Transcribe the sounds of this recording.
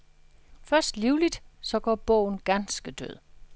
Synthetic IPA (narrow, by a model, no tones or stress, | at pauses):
fɶɐsd̥liʊlid̥sɒ̽ɡ̥ɒ̰ːb̥ɔ̰̽ːʊ̰n̩ɡ̥ænsɡ̥əd̥ø̰ð̞̰ˠ